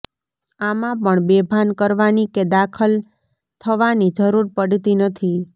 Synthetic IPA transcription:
amãpəɳbebʱankəɾʋaniked̪akʰəl | t̪ʰəʋanid͡ʒəɾuɾpəɽt̪inət̪ʰi

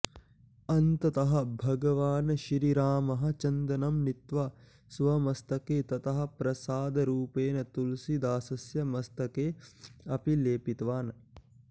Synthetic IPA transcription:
ɐnt̪ɐt̪ɐɦɐ̆bʱɐɡɐʋaːnɐʃɾiɾaːmɐɦɐ̆t͡ʃɐnd̪ɐnɐmnit̪ʋɐ | sʋɐmɐst̪ɐkeːt̪ɐt̪ɐɦɐ̆pɾɐsaːd̪ɐɾuːpeːnɐt̪ulsid̪aːsɐsjɐmɐst̪ɐkeːɐpileːpit̪ʋaːn

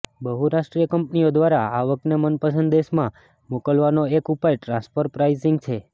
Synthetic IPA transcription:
bəɦuɾaʃʈɾijəkəmpniod̪ʋaɾaaʋək̪̚nemənpəsə̃nd̪d̪eʃmã | mokəlʋanoekupajʈɾãspʰəɾpɾaizɪŋɡt͡ʃʰe

